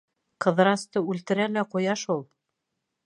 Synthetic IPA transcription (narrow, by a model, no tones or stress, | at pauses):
qɤ̆ðɾɑst̪ɤʉlt̪ɘ̆ɾælæqujɑʃulˠ